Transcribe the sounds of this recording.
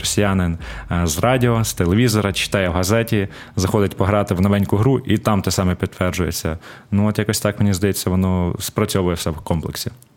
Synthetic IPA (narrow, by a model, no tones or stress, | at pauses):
ɔsʲijanɪnzrɑdʲiɔst̪elˠeʋʲizɔɾɐt͡ʃɪ̥t̪ɑjɛwɦɐzɛtʲi | zɐxɔd̪ɪtʲpɔɦɾɑt̪ɪwnɔʋɛnʲkʊɦɾuʔit̪ɑmt̪ɛsɑmɛpʲit̪t̪ːʋɛrd͡ʒʊjet͡sʲːɐ̰ | nuɔt̪jakɔsʲt̪ɑkmenʲizd̪ɐjet͡sʲːɐʋɔnɔspɾɐt͡sʲɔʋʊjɛwsɛwkɔmplˠeksʲi